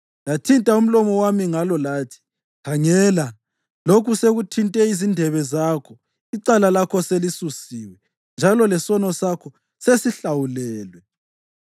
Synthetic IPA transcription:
jatʰintʼaum̩lɔmɔwamiŋalɔlaːtʰi̥ | kʰaŋɛla | lokʰuseɣutʰintʼɛizindʱɛβɛzaːkʰɔ | iǀalalakʰɔselisusiːwɛ | nd͡ʒʱalɔlɛsɔnɔsakʰɔ | sesiɬawulɛːlwɛ

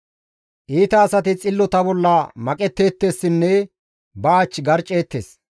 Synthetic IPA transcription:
ʔiːt̪ɐːsɐt̪ɪt͡sʼɪlːɔt̪ɐbɔlːɐmɐkʼɛt̪ːe̞ːt̪ːe̞ːsːɪnːɛ | bɐːt͡ʃːɡɐɾt͡ʃʼːe̞ːt̪ːḛːs

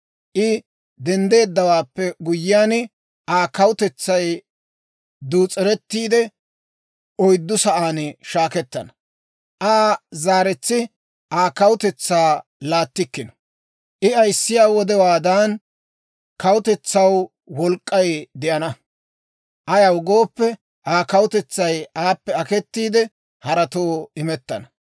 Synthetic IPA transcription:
ʔɪ | d̪ɛnd̪e̞ːd̪ːɐwaːpːɛɡʊjːɪjaːn | ʔaːkɐwʊt̪ɛt͡sːɐj | d̪uːt͡sʼːɛɾɛt̪ːiːd̪ɛ | ʔɔjd̪ːʊsɐʔaːnʃaːkɛt̪ːɐnɐ | ʔaːzaːɾɛt͡sːɪ | ʔaːkɐwʊt̪ɛt͡sːaːlaːt̪ːɪkːɪnɐ̥ | ʔɪɐjsːɪjaːwɔd̪ɛwaːd̪aːn | kɐwʊt̪ɛt͡sːɐw | wɔlkʼːɐjd̪ɪʔɐnɐ | ʔɐjɐwɡo̞ːpːɛ | ʔaːkɐwʊt̪ɛt͡sːɐjaːpːɛɐkɛt̪ːiːd̪ɛ | hɐɾɐt̪oːɪmɛt̪ːɐ̰nɐ

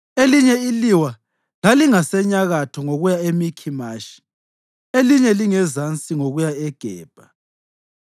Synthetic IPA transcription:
eliɲɛiliwa | laliŋasɛɲaɣatʰɔŋoɣujaemikʰimaːʃi̥ | eliɲɛliŋɛzant͡sʼiŋoɣujaɛɡ̥ʱɛːb̥ʱa

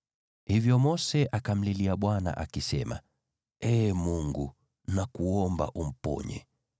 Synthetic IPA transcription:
hivjɔmɔsɛʔakam̩liliaɓwana̰ʔakisɛma̰ | ɛːmuŋɡu | nakuɔmba̰ʔum̩pɔ̰ɲɛ̰

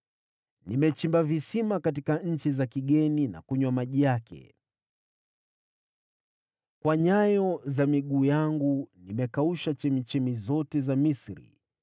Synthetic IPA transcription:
nimɛt͡ʃimbavisimakat̬ikaɲ̩t͡ʃizakiɠɛnina̰kuɲwamaʄijakɛ̰ | kwaɲajɔzamiɠuːjaŋɡunimɛkauʃat͡ʃɛmit͡ʃɛmizɔtɛzamisɾḭ

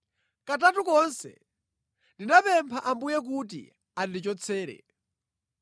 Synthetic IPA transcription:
katatukɔnsɛ̰ | ndinapɛmpʰaʔambujɛk̬ut̬ḭ | andit͡ʃɔt͡sʰɛːɾɛ̰

